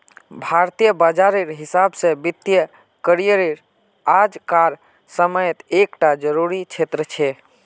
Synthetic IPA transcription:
bʱaɾt̪ijəbəd͡ʒaɾiɾɦisabsẽbit̪ːjə | kəɾijəɾiɾ | ad͡ʒkaɾ | səməjet̪ekʈad͡ʒəɾuɾit͡ʃʰet̪ɾət͡ʃʰɛ

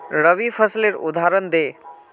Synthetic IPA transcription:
ɾəʋifʰəsleɾṵd̪ʱaɾənd̪eː

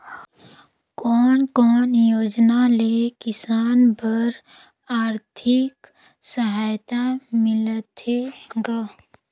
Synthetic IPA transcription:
kɔːnkɔːnjoːd͡ʒnalekɪsaːnpəɾ | aːɾt̪ʰɪk | səɦaːjt̪amɪlət̪ɦeɡaː

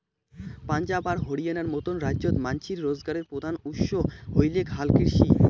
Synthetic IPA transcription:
pand͡ʑabaɾɦoɽianaɾmot̪onɾad͡ʑot̪mant͡ɕiɾːozɡaɾeɾpɾod̪ʱanuʃoɦojlekɦalkiɾʃi

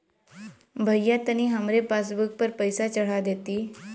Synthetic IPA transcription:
bʱəjːat̪ːəñiːɦəmɾepasbuk̚pəɾpəjsat͡ɕəɽ̤ad̪et̪iː

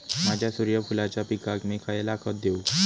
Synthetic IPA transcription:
mad͡ʑʱjasuɾjəfʰulat͡ɕapikakmekʰajelakʰət̪̚d̪eu

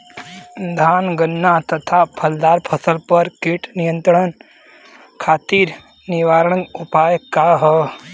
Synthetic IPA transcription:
d̪ʱaːnɡənːat̪ɐt̪ʰapʰɐld̪aːɾpʰəsəlpəɾkiʈnijə̃nt̪ɾəɳən | kʰaːt̪iːɾ | niʋaːɾɳ̃ə̃nupaːjkaɦə

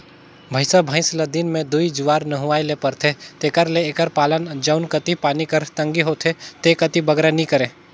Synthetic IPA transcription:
bʱəɪsabʱə̃ɪ̃slɐd̪iːnmẽd̪uid͡ʒʊʋaːɾnɐɦʊaːilepɐɾt̪ʰet̪eːkəɾleːkəɾpaːlənd͡ʒəʊnkət̪ipaːnikɐɾt̪ɐ̃ŋɡiɦot̪ʰet̪eːkət̪ibɐɡɾenĩkəɾẽː

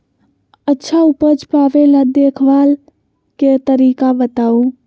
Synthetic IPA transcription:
ətːʃʰaupəd͡ʒpaːʋelad̪eːkʰʋaːl | ket̪əɾiːkabət̪aːu

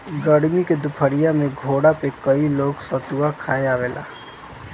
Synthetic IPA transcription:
ɡəɽmiked̪upʰəɽijameɡʱoɽapekəiloːɡsət̪uwakʰaeabela̰

